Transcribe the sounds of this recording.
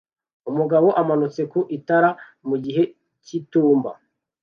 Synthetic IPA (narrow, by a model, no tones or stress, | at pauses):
umuɡaβo̞ʔamanut͡se̞kuʔitaɾa | muɟiɦe̞ | cituːmba̰